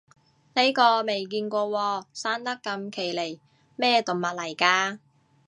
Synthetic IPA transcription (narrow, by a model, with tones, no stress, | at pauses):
ne˥jkɔː˧me˨jk̬iː˧nkʷɔː˧wɔː˧saː˥nt̪ɐ˥kːɐ˧mkʰe˨˩jle˨˩j | mɛː˥˩t̪ʊ˨ŋmɐ˨t̚lɐ˨˩jkaː˧